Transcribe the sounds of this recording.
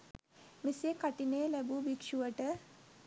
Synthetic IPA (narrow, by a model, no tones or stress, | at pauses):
misekaʈinelɛbubikʂuʋəʈə